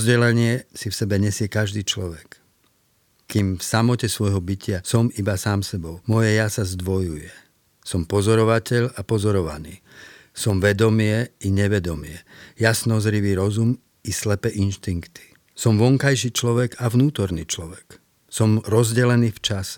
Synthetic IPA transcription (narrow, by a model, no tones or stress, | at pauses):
zɟɛlɛɲɪɛsifsɛbɛɲɛsɪɛkaʒd̪iːt͡ʃlɔʋɛk | kiːmfsamɔcɛsʋɔjɦɔbicɪasɔmibasaːmsɛbɔʊmɔjɛjasazd̪ʋɔjujɛ | sɔmpɔzɔɾɔʋacɛʎapɔzɔɾɔʋa̰niː | sɔmʋɛd̪ɔmɪɛiɲɛʋɛd̪ɔmɪɛjasnɔzɾiʋiːɾɔzum | islɛpɛʔinʃt̪iŋkt̪i̥ | sɔmʋɔŋkajʃiːt͡ʃlɔʋɛɡaʋnuːt̪ɔɾniːt͡ʃlɔʋɛk | sɔmɾɔzɟɛlɛniːft͡ʃas